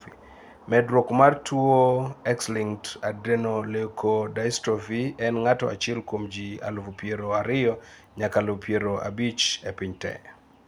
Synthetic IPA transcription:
mɛdɾokmartʰuoɛksliŋtadenolekʰodajstɾofiɛnŋatɔ̰ʔa̰t͡ʃɛlkwomd͡ʒia̰lvupjeɾoaɾɪjɔ | ɲakalopʰjeɾoa̰bit͡ʃepɪɲtɛ̰

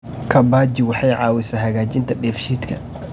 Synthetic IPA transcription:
kʰɐbaːd͡ʒɪwɑħɑjʕɑ̰ːwɪsaːɦɐɣaːt͡ʃɪnt̪ʰɐɗɛːfʃiːt̪kʰɐ

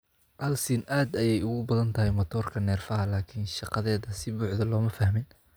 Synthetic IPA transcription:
ʔɐlsinʔaːd̪ɐjɛjʊɣʊbɐðɐnt̪ʰɐɦɛjmɐt̪ʰɔːrkʰɐnɛːrfɐɦɐlaːkʰɪnʃɑqɑðɛːðɐsɪbʊːħd̪ɐlɔːmɐfɐhmɪn

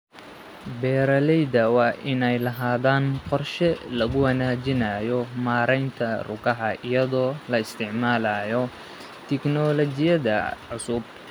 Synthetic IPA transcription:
bɛːɾɐlɛjðɐwɑːʔɪnɛjlɐɦaːðaːnqɔrʃɛlɐɣʊwɐnaːt͡ʃɪnaːjɔmaːɾɛjnt̪ʰɐrʊ̰kɐɦɐʔɪjɐðɔːlɐɪst̪ʰɪʕmaːlaːjɔ | t̪ʰɪknɔlɔt͡ʃɪjɐðɐʕʊsʊb

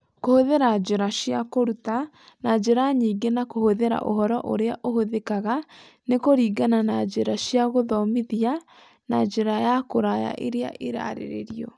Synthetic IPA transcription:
kohoðeɾad͡ʒeɾaɕjakoɾuta | nad͡ʑeɾaɲiːŋɡenakohoðeɾa̰ʔoɦɔɾɔʔo̰ɾeaʔohoðekaɣa | nekoɾiːɡananad͡ʒeɾaɕjaɣoðɔmiðia | nad͡ʒeɾajakoɾaja̰ʔeɾea̰ʔeɾa̰ɾḛɾḛɾiɔ

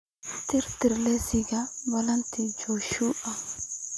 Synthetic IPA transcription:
t̪ɪɾt̪ɪɾlesɪɡɐbɐlɐnt̪id͡ʒoːʃuːʔɐ

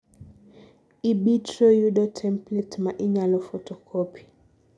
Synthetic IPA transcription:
iɓitɾɔjuɗɔtʰɛmplɛtmaʔiɲalɔfɔtɔkʰɔpʰi̥

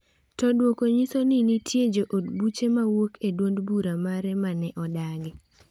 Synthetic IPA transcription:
tɔdwokoɲisoninitʰjed͡ʒoʔodbut͡ʃemawokedwondbuɾamaɾɛmanɛʔɔdaɡɪ

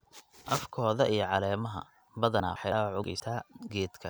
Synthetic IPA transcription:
ʔɐfkʰɔːðɐʔijɞʕɑlɛːmɐɦɐ̰ | bɐðɐna̰ːħɑwʕʊɡɛ̰jsʰaːɡɛːd̪kʰɐ

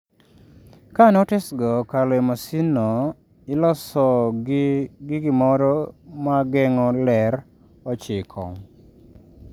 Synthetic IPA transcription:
kanɔtɛsɡɔkalɛmasinɔ | ɪlɔsɔ | ɡɪɡɪmɔɾɔmaɡɛŋɔlɛɾ | ɔt͡ʃɪkʰɔ̰

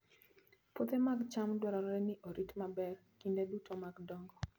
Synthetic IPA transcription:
pot̪emaɡt͡ʃamdwɔɾaɾɾɛniʔoɾitmabɛr | kindedutʰomaɡdɔŋɡɔ

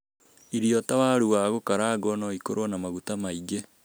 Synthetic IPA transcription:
iɾiɔtawaɾuwaɣokaɾaɡɔnɔikoɾwɔnamaɣutamaiɡe

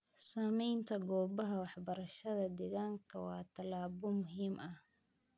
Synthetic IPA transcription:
saːmɛjnt̪ʰɐɡɔːbɐɦɐwɑħbɐɾɐʃɐðɐd̪ɛɣaːŋkʰɐwɑ̰ːt̪ʰɐlaːβɔmʊɦiːmɐh

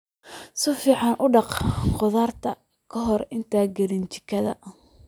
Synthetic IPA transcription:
sɪfiːʕɑnʔʊɖɑqqʊðaːrt̪ʰɐ | kʰɐɦɔrɪnt̪ʰaːɡɐɾɪnt͡ʃɪ̥kʰɐðɐ̰

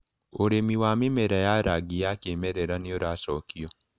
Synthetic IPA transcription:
oɾemiwamimeɾajaɾaɡijakeːmeɾeɾanioɾasɔːkio

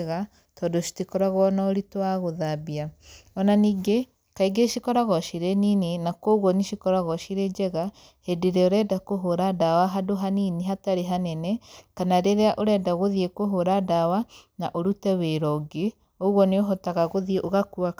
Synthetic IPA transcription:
ɣa | tɔdoʃi̥tikɔɾaɣɔnaoɾitwaɣoðabiaɔnaniːɡe | kaiɡeʃikɔɾaɣɔʃiɾeninenakoɣɔniʃikɔɾaɣɔʃiɾed͡ʒɛɣa | hedeɾɛoɾɛdakoɦoɾadawaɦadoɦanineɦataɾeɦanɛnɛkanaɾeɾeaʔoɾɛdaɣoðiekoɦoɾadawanaʔoɾutɛweɾɔɡe | oɣwɔneoɦɔtaɣaɣoðieʔoɣakua

